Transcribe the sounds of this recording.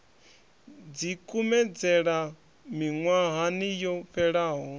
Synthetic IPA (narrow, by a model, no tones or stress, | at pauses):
d͡zikʼumɛd͡zɛɺa | miŋwaɦanijɔɸɛɺaːɦɔ